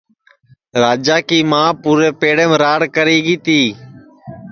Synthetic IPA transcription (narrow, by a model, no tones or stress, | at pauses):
ɾaːd͡ʒaːkiːmãːpuːɾeːpeːɽeːmɾaːɽkəɾiːɡiːt̪iː